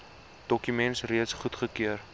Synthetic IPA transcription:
d̥ɔkymɛntsriətsχutχəkiər

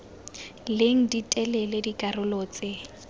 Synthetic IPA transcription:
leŋ̩ditʼɛlɛledikʼarʊloːt͡sʼɪ

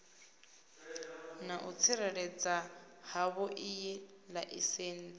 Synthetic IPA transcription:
naʔut͡sʰiɾɛɺɛd͡za | haβɔʔijɛ | laʔiseːn̩d͡zi

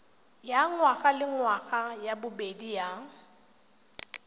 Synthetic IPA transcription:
jaŋwaχʼalɪŋwaɣʼajabʊbedija

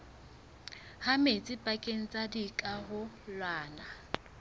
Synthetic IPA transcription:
hamet͡sʼɪpʼakʼen̩t͡sʼadikʼaɦʊ | lwaːna

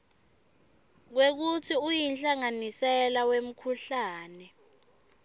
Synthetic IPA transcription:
k̬wek̬utʰiujinɬaŋanisɛlawem̩kʰuɬaːnɛ

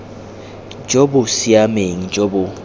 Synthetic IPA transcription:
d͡ʒobʊsiameŋ̩d͡ʒobʊ

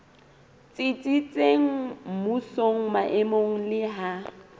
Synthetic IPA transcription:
t͡sʼɪt͡sʼit͡sʼeŋ̩musoŋ̩maʔɛmoŋ̩lɪɦa

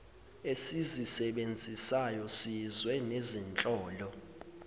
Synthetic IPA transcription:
esizisɛɓend͡zʱisajɔsizwɛnezint͡ɬʼɔːlɔ

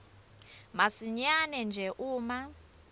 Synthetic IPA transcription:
masiɲanɛnd͡ʒʱɛʔuːma

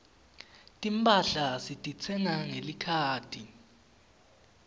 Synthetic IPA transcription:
tʼimpʼaɬasitʼit͡sʰɛŋaŋelikʰaːtʰʼi

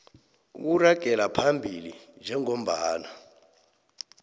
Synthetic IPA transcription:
k̬uraɡ̥ʱɛlapʰambʱilind͡ʒʱɛŋom̩baːna

